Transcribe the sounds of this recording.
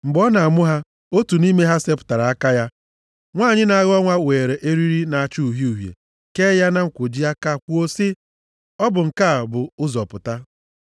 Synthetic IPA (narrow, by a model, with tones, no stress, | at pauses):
ŋ͡m̩˨ɡ͡bɔ˦na˨a˨mʊ˦ɦa˦ | o˦tu˨ni˦me˦ɦa˦se˦pʊ̥˨ta˨ɾa˨a˦ka˦ja˦ | ŋʷaː˦˨ɲɪ˦na˨a˦ɣɔ˦ŋʷa˦weː˨ɾe˨ʔe˦ɾi˦ɾi˦na˨a˨t͡ʃu˦u˨ɦju˨ɦjḛ˨ | ke˦ja˦na˦ŋ̩˨kʷo˨d͡ʒi˦a˦ka˦˨kʷu˦o˦sɪ˦ | ɔ˦bʊ˨ŋ̩˨ka˦˨bʊ˨ʊ˦zɔ˨pʊ˨ta˦